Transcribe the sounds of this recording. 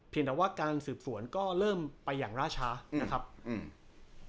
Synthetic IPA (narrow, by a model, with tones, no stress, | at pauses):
pʰi˧ənt̪ɛ˨˩waː˥˩kaː˧nsɯː˨˩p̚su˩˦ənkɔː˥˩ɾɤː˥˩mpa˧jːaː˨˩ŋɾaː˥˩t͡ɕʰaː˦˥na˦˥kʰɾa˦˥p̚ː